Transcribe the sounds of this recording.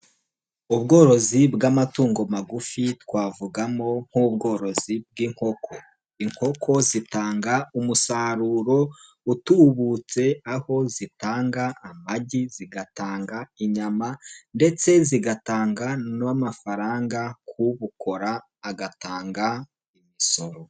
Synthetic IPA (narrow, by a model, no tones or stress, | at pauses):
uβɡo̞ːɾo̞zibɡamatuːŋɡo̞maɡufitwaːvuɡamo̞ŋ̥huβ̚ɡo̞ːɾo̞z̥ib̚ɡiːŋho̞kʰo | iŋ̥ho̞kʰo̞zitaːŋɡaumusaːɾuːɾo̞ | utuːβut͡se̞aho̞zitaːŋɡaamaɟiziɡataːŋɡaiɲamande̞t͡se̞ziɡataːŋɡanamafaɾaːŋɡakʰuβukʰo̞ɾaː | ɡataːŋɡa | imiso̞ɾo̞